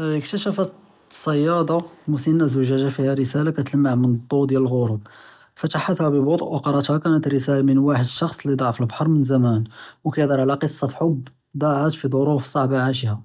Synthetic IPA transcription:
əkt̪æʃæfət̪ | sˤɑjːɑd̪ˤɑmusinːæzʊʒæʒafihæɾəsælakæt̪ləmːaʕmənd̪ˤːud̪jæləlɣʊɾʊb̚ | fæt̪aħat̪hæbəbot̪ˤʔwɑqɑɾˤɑt̪hækænət̪ɾəsælamənwaħəd̪əʃɑxsˤlid̪ˤɑʕfəlbħɑɾˤmənzæmænwkæjd̪ɑɾˤʕlæqəsˤːɑħobː | d̪ˤɑʕət̪fid̪ˤoɾufsˤɑʕbaʕaʃ̬ihæ

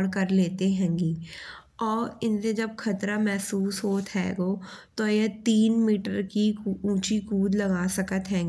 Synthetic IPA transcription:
ɽkɐɾleːt̪eɦɛ̃ːŋɡiː | ɔːɾɪnsed͡ʒɐb̚kʰɐt̪ɾamɛːsuːsɦoːt̪ɦɛ̰̃ːɡoːt̪ojet̪iːnmiːʈəɾkiũːt͡ʃikuːd̪lɐɡaːsɐkət̪ɦɛ̃ːɡ

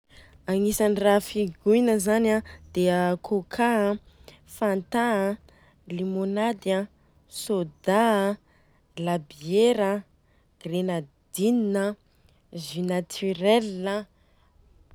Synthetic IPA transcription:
aŋisanirafiɡujnəzanãd̪̥eəkʰokʰa | fant̪aa | limonad̪ja | sod̪a | labieɾə | ɡ̥renad̪̥ininə | zinat̪ʰyɾɛlːə

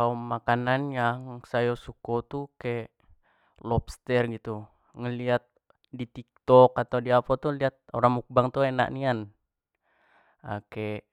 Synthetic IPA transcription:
kaumːakananjaŋsajɔsukɔt̪ukɛ | lɔpst̪ɛrɡit̪u | ŋəliat̪̚ | dit̪ik̚t̪ɔkat̪awdiapat̪uliat̪̚oɾaŋmuk̚baŋt̪uena̰ʔnian | akeʔ

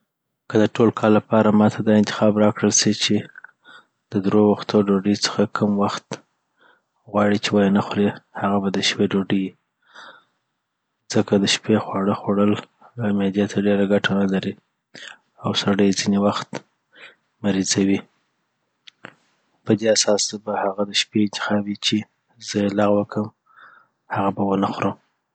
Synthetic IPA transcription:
kəd̪əʈʰolkʰɑlːapɑɾamɑt̪ʰad̪ɑɪnt̪ɪ̥xɑbɾɑkɽəlsit͡ʃe | d̪̥əd̪ɾowaxt̪oɖoɖət͡sə̥xakʰəmwaxt̪ | ɣwɑɽit͡ʃewajenaxɾehaɣabad̪əʃpeɖoɖəji | d͡z̥əkad̪əʃpexwɑɽəxoɽəlhɣamed̪jet̪ʰaɖeɾaɡaʈʰanalaɾi | awsaɽəjzinewaxt̪ | maɾizawi | pəd̪easɑsbahaɣad̪əʃpeɪnt̪ɪ̥xɑwit͡ʃe | zəjelaɣwəkʰəm | haɣabawənaxɾəm

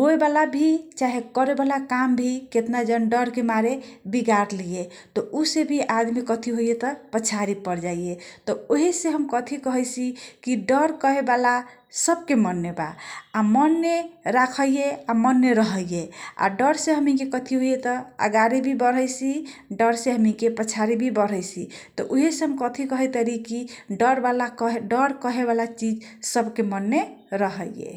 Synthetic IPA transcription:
ɦoebalabʱit͡ʃaɦekəɾebalakambʱiket̪nad͡ʒənɖəɾkemaɾebiɡaɾlije | t̪ɔʔusebʱiʔad̪mikət̪ʰiɦojet̪ɔpət͡ʃʰaɾipəɾd͡ʒaijet̪ɔoɦiseɦəmkət̪ʰikəɦəjt͡ʃʰikiɖəɾkɔɦebala | səb̚kemənːeba̰amənːeɾakʰəjjeamənːeɾəɦəjjea̰ɖəɾseɦəmikekət̪ʰiɦojet̪ɔə̰ɡaɾibʱibəɾ̤əjsi | ɖəɾseɦəmikepət͡ʃʰaɾibʱibəɾ̤əjsʰit̪ɔʔoɦeseɦəmkət̪ʰikəɦɛjt̪əɾikiɖəɾbalakɦeɖəɾkəɦeβalat͡ʃid͡ʒsəbkemənːeɾəɦəjjḛ

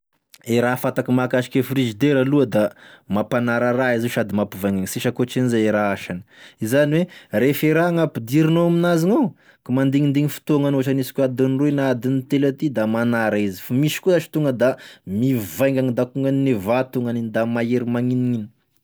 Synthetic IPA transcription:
eɾafat̪akimakaʃi̥kʲefrizid̪eɾaluəd̪amapanaɾaraiziʃad̪imapivajŋɡaŋisiʃakoʈ͡ʂinizaeɾaaʃanəizaniwerefeɾaŋapid̪iɾinoaminaziŋo | kumand̪iŋind̪iŋifi̥t̪oaŋanoaʈ͡ʂanisi̥kʲuad̪inruinad̪init̪elat̪id̪amanaɾaizi̥famiʃi̥kuzat͡ʃi̥t̪uŋɡəd̪amivajŋɡaŋid̪akuŋɡaninevat̪uŋɡanind̪amaeɾimaŋiniin̥

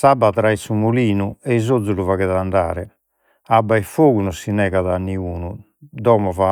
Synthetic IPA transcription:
sabːat̪ɾaisumuliːnuɛizod̪zːuluvaɣɛðand̪aːɾɛ | abːaifoːɣunɔsinɛːɣaðanːiuːnu | d̪ɔːmɔva

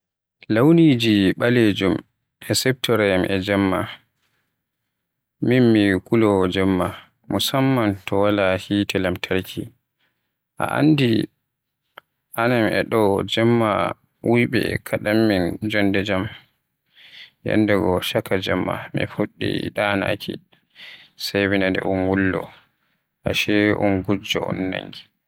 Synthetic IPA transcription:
lawnid͡ʒiɓaled͡ʒum | ɛsɛp̚tɔɾajamʔɛd͡ʒɛmːa | minmikulɔd͡ʒɛmːa | musamːantɔwalahitʰɛlamtʰaɾkʰi | ʔa̰ʔa̰ndi | ʔanamɛɗɔd͡ʒɛmːa | wʔujɓɛ̰kʰaɗamːind͡ʒɔndɛd͡ʒam | jɛ̰ndɛɡɔʃakad͡ʒɛmːa̰mḭfuɗːḭɗana̰kʰi | sajwinandɛ̰ʔunwulːɔ̰ | ʔaʃɛʔunɡud͡ʒɔ̰ɔ̰nːa̰ŋɡi

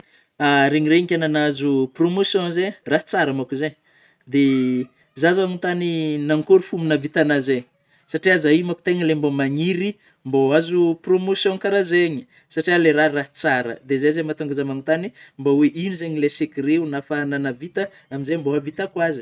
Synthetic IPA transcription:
aɾeɲiɾeiŋkʲananazupromosjõzeraɦt͡saɾəmakuzeɲ | d̪e | zazaŋunt̪aninaŋkuɾufuminəvit̪anazeɲ | saʈ͡ʂiazaimaku̥t̪eŋəlembomaŋiɾi | mboazupromosjõkaɾazeɲi̥ | saʈ͡ʂialeɾaraɦt͡saɾə̰d̪ezezemat̪uŋɡazamaŋunt̪animboweʔinizeɲilesekireunafananavit̪ə | aminzemboɦavit̪akwazi̥

